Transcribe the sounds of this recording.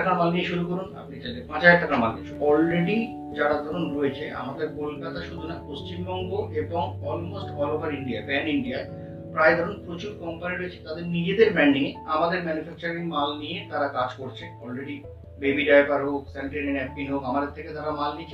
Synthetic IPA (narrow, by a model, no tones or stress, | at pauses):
aknamalnieʃuɾukoɾuna̰pnit͡ɕalepãd͡ʑʰʱaekʈaknamalni | ɔlɾeɖi | d͡ʑaɽad̪ʱɔɾonɾoet͡ɕʰea̰mad̪eɾkolkat̪aʃud̪ʱunapost͡ɕimbɔŋɡoʔeboŋɔlmosʈfɔlobaɾiɳɖiabɛniɳɖia | pɾaed̪ʱɔɾonpɾot͡ɕuɾkɔmpaniɾoet͡ɕʰe̥t̪ad̪eɾnid͡ʑed̪eɾbɛɳɖiŋeamad̪eɾmɛnufɛk̚t͡ɕaɾiŋmalnijet̪aɾakad͡ʑkoɾt͡ɕʰeɔlɾeɖi | bebiɖajbaɾɦokseɳʈinenɛp̚pinɦokamad̪eɾt̪ʰeket̪aɾamalnit͡ɕʰe